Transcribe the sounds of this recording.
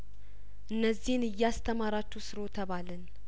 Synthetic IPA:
ʔɨnːəzːihnɨjːɛast̪ʰəmaɾat͡ʃːusɨɾo̞t̪ʰəβalən

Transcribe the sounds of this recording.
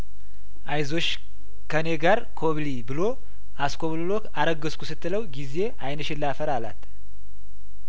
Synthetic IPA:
ʔajzo̞t͡ʃː | kʰəne̞ɡaɾkʰo̞βlibɨlo̞ | asko̞βlɨlo̞kaɾəɡəskʰusɨt̪ːɨləwɡize̞ʔajnəʃɪlːafəɾalat̪

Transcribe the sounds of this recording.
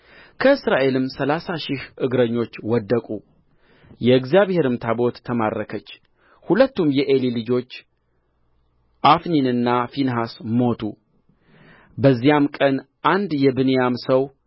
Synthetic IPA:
kʰəɨsɾaʔe̞lɨmsəlasaʃɪhʔɨɡɾəɲːo̞t͡ʃːwɔd̪ːəkʼu | jɛɨɡzijaβhe̞ɾɨmt̪ʰabo̞t̪ːʰəma̰ɾːəkʰət͡ʃː | hulət̪ːumjɛʔelilɨd͡ʒo̞t͡ʃː | ʔafninɨnːafinɦasmo̞t̪ʰu | bəzːijamkʼən | ʔand̪jɛbɨnjamsəw

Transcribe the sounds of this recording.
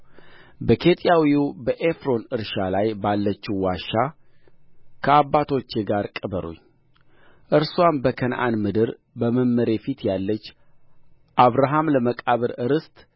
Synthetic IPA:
bəkʰe̞t̪ʼjawiubəʔefɾo̞nɨɾʃalajbalːət͡ʃːiwaʃːa | kʰəabːat̪ʰo̞t͡ʃːeɡaɾkʼɨbəɾṵɲː | ʔɨɾswanbəkʰənʔa̰nmɨd̪ɨɾ | bəməmːəɾe̞fit̪jalːət͡ʃː | ʔaβɾaɦamləməkʼaβɨɾɨɾɨst̪ʼ

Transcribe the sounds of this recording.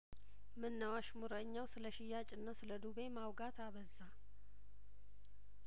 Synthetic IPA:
mɨnːəwaʃmuɾəɲːawsɨləʃɪjat͡ʃʼɨnːasɨləd̪uβe̞mawɡat̪ʰaβəzːa

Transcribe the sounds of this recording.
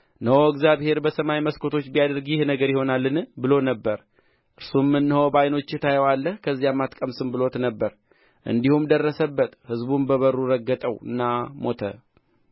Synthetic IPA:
nəhoɨɡzjaβhe̞ɾbəsəmajməskʰo̞t̪ʰo̞t͡ʃːbijad̪əɾɡjɪhnəɡəɾjɪho̞nalːɨnbɨlo̞nəbːəɾ | ʔɨɾsumːɨnːhəwbajno̞t͡ʃːɪt̪ʰajəwalːəhkʰəzːijamːat̪kʼəmsɨmbɨlo̞t̪nəbːəɾ | ʔɨ̰nd̪ihumd̪ərːəsəbːət̪hɨzbunbəβəɾːuɾəɡːət̪ʼəwɨ̰nːamo̞t̪ʰə̰

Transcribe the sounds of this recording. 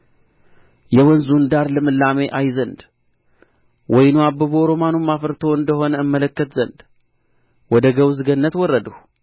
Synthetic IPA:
jɛwɔnzund̪aɾlɨmɨlːame̞ʔajzənd̪ | wɔjnuabːəβooɾomanumːafəɾt̪ʰo̞ɨnd̪əɦo̞nəɨmːələkːət̪zənd̪ | wɔd̪əɡəwzɨɡənːət̪wɔrːəd̪əh

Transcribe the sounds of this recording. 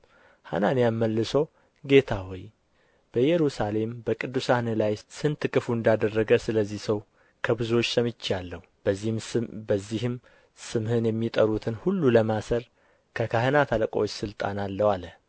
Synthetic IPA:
ha̰nanjamːəlːɨsəw | ɡe̞t̪ʰawɔj | b̥əjɛɾusale̞mbəkʼɨd̪ːusahnɨlajsɨnt̪ʰɨkʼɨfuɨnd̪ad̪ərːəɡəsɨləzːihsəw | kʰəbɨzo̞t͡ʃːsəmɨt͡ʃːalːəhu | əzːihm | sɨmhɨnjɛmːit̪ʼəɾut̪ʰɨnhulːuləmasəɾ | kʰəkʰahɨnat̪ʰaləkʼot͡ʃːsɨlt̪ʼa̰nalːəwalə

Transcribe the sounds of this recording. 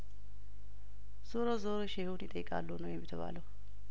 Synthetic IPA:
z̥oɾozoɾoʃehunjɪt̪ʼəjːɪkʼa̰lːunəwjɛmːɪt̪ʰəβa̰ləw

